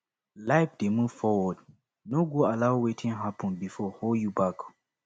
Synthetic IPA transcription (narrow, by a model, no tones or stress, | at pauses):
laɪfdemuv̥fɔwɔd | noɡoalaʊwetʰĩŋɦapʰɔ̃nbifɔholjubak